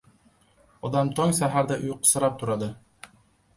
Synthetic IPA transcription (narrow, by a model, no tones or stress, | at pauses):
ɒd̪ɑmt̪ʰɒŋsæɦæɾd̪æʔojqɤ̥̆sɤ̆ɾɑp̚t̪ʰuɾɑd̪ɤ